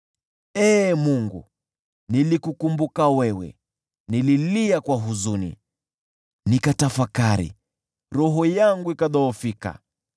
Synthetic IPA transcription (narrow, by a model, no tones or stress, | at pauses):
ɛːmuŋɡu | nilikukumbukawɛwɛ̰ | nililiakwaɦuzunḭ | nikatafakaɾḭ | ɾɔɦɔjaŋɡuikaðɔːfika̰